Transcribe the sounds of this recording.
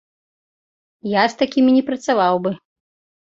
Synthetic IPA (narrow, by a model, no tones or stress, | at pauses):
jast̪akʲimʲinʲɛpɾɐt̪savawbɨ